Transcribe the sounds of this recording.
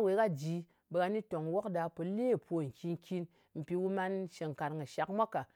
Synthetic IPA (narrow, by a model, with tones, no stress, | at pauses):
we˨˦ka˦d͡ʒi˨˦ | be˧ka˧ni˦to˨ŋ˨wo˦kda˧po˧le˦˨po˨ŋ̩˨kʲi˧nkʲi˧n | m̩˨pi˧wu˦ma˧nʃe˧ŋ̩˨ka˨ɾŋɨ˨ʃa˨kmʷa˦ka˨